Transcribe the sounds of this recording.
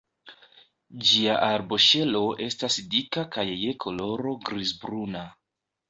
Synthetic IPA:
d͡ʒiaʔaɾbo̞ʃe̞lo̞ʔe̞stasdikakajːe̞kʰo̞lo̞ɾo̞ɡɾizbɾuna

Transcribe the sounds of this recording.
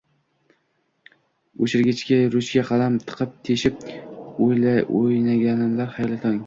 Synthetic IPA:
oʃɪɾɡʲɪt͡ʃkʲaɾʊʃkʲaqʰɑlamt̪ʰɨ̥qʰɨp̚t̪ʰeʃɪp̚ojlaojnaɡʲanɪnlaɾhajlɪt̪ʰɒŋ

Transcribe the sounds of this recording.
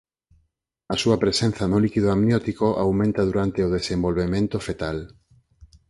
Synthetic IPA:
ɐsuɐpɾesen̟θanolikiðoamnjot̪ikoʔawmẽnt̪aðuɾant̪eoð̞esẽmbolβemẽnt̪ofet̪al

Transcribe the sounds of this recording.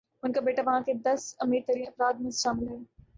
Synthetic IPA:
ʊnkabeːʈaʋɐɦãked̪ɐsɐmiːɾt̪ɐɾiːnɐfɾaːd̪̚mẽsʃaːmɪlɦɛː

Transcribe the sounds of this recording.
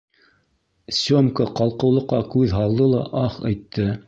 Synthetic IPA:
sʲomkəqɑlˠqɤ̆wlˠɤ̆qːɑkʉðɦɑlˠd̪ɤlˠɑʔɑχɑ̰jt̪ʰːɤ

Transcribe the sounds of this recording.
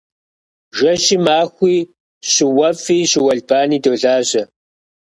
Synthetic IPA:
ʒʷɐʃiːmaːxʷiː | ɕɪwɐfiːɕɪwɐɮbaːniːdoːɮaːʑɐ

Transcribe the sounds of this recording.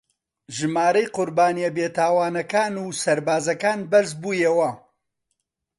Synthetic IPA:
ʒɨmaːɾɐjqʊɾbaːnijɐbeːt̪ʰaːwaːnɐkaːnuːsɐɾbaːzɐkaːnbɐɾzbuːjewɐ

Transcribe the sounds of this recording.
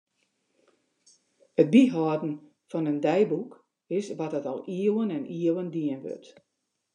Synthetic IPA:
ət̚biɦɔːdn̩ | fɔnəndɛjbuk | ɪsʋɔt̚ətɔ̰lˠiəwənɛnʔiəwəndiənʋø̰t

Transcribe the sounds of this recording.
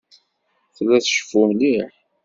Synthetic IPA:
θlːæθʃə̥fumliħ

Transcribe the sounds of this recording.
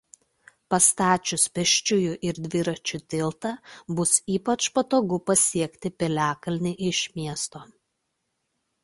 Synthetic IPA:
pɐst̪ɑːt͡ʃʲʊspʲɛʃʲt͡ʃʲʊjʊʔɪɾd̪ʲʋʲɪɾɐt͡ʃʲʊt̪ʲɪlˠt̪ɐbʊsiːpɐt͡ʃpɐt̪oːɡʊpɐsʲiɛkʲt̪ʲɪpʲɛlʲæːkɐlʲnʲɪʔɪʃʲmʲiɛst̪oː

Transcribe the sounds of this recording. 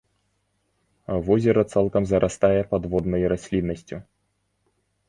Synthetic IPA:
avɔzʲɛɾɐt̪salˠkɐmzɐɾʔast̪ajɛpad̪vɔd̪nɐjɾasʲlʲinːɐsʲt͡sʲu

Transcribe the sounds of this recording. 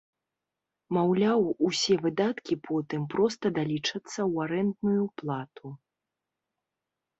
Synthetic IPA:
mawlʲawusʲɛvɨd̪at̪kʲipʰɔt̪ɨmpɾɔst̪ɐd̪alʲit͡ʂɐt̪sːɐwaɾɛnd̪nujuplˠat̪u

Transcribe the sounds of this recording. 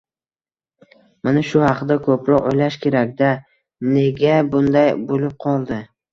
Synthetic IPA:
manaʃʊhɑqd̪akʰɵpɾɒqo̰jlaʃkʲʰe̞ɾakʲd̪a | ne̞ɡʲabʊnd̪ajbolɪp̚qʰɒlˠd̪ɪ

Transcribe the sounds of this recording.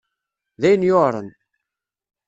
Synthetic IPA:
ðæjənjoɾˤə̰n

